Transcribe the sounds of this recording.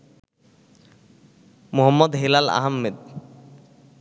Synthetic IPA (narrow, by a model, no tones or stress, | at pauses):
muɦɔmːɔd̪ɦilala̰ɦamːed̪